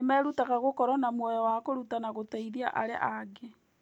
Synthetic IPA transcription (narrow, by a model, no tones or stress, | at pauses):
emɛːɾutaɣaɣokɔɾɔnamwɔjɔwakoɾutanaɣotaiðia̰ʔaɾḛʔaɡe